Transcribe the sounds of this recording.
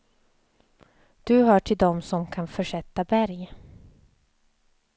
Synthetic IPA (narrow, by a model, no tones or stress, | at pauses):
d̪̥ɵɦœːʈʰɪld̪ɔmsɔmkʰanfœʂɛt̪ːabæɾj